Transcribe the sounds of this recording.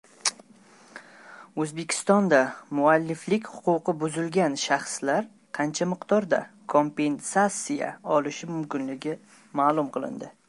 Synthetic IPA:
ɵzbe̞kʲʰɪ̥st̪ɒnd̪amʊalːɪflɪkʲhʊ̥qʊqʰɨbʊzɪlɡʲanʃaχslaɾ | qʰɑnt͡ʃʰamɪqd̪ɒɾd̪a̰kʰompe̞nsasija̰ɒlɪʃɪmʊmkʲɪnlɪɡʲɪ | maːlˠʊmqʰɨlˠɪ̰nd̪ɪ

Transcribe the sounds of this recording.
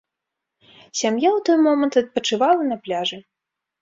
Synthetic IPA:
sʲamjawt̪ɔjmɔmɐnt̪ɐt̪̚pɐt͡ʂɨvalˠɐnɐplʲaʐɨ

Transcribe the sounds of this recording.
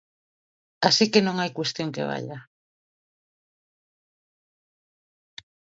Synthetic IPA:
asikenõŋajkwest̪joŋkḛβ̞a̰ʎa

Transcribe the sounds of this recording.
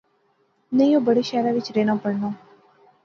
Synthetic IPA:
nəjjõːbəɽiʃaɾaʋit͡ʃɾenãpəɽno

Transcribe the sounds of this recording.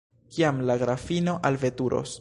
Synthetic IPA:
kiamlaɡɾafino̞ʔalve̞tuɾʔo̰s

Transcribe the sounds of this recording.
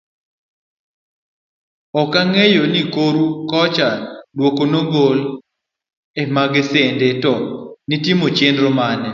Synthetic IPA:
ɔkaŋejonikoɾukɔt͡ʃadwokonoɡol | emaɡɪsendetɔnitimot͡ʃendɾomanɛ

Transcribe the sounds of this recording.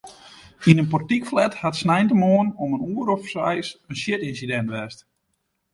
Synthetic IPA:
inənpɔrtikflɛthatsnɛjntəmoənɔmənuəɾɔfsɛjsənsjɪtinsidɛntʋɛst

